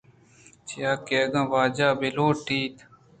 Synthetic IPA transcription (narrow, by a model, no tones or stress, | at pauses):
t͡ʃijaːkeːɡãːʋaːd͡ʒaːbiloːʈiːt̪